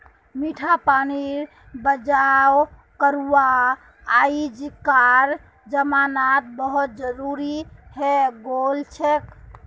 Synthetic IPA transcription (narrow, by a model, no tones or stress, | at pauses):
miʈʰapani | bəd͡ʒaw | kəɾuaː | id͡ʒkaɾ | d͡ʒəmanat̪̚bəɦut̪̚d͡ʒəɾuɾiheɡolt͡ʃʰek